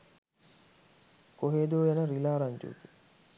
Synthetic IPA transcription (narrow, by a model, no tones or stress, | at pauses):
koɦeːd̪oːjenəɾilaːɾaɲd͡ʒṵːki